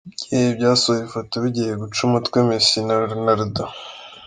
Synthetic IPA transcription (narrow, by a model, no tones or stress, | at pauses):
ebjaːsoifotoβiɟijeɡut͡ʃumatkwemesinaɾnaɾda